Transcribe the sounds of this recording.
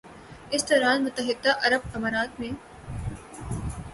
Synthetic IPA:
ɪsd̪oːɾaːnmʊt̪əɦɪd̪ːaʔɐɾəb̚kɐmaːɾaːt̪mẽː

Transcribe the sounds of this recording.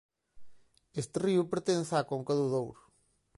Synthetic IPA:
est̪ɪriʊpeɾt̪ensakõŋkɐðuðowɾʊ

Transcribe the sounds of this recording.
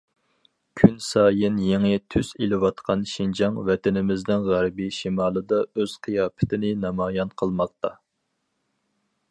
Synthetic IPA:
kʲʰynsɑːjɪnjeŋɪt̪ʰysilɪwɑt̪qʰɑnʃind͡ʒɑŋvɛt̪ɪnɪmɪznɪnʁæɾbiʃimɑːlˠɨd̪ɑøz̥qʰijɑːpʰɪ̥t̪ʰɪnɪnɑmɑːjɑnqʰəlˠmɑq̚t̪ɑ

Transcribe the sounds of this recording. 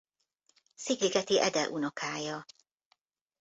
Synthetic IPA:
siɡliɡɛt̪iʔɛd̪ɛʔunokʰaːjɒ

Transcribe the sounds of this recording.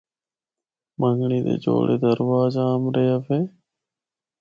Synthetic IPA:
məŋɡɳiːd̪ḛːd͡ʒo̰ːɽʔḛːd̪əɾʋaːzaːmɾeːaːpʰeː

